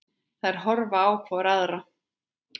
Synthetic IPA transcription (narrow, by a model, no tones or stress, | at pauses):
θaðɛɾ̥ɦɔɾvaaːwkʰvɔɾaðɾa